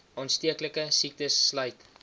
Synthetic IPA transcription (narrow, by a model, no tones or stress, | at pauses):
ɑːnstiəkləkəsik̚təsːlœjt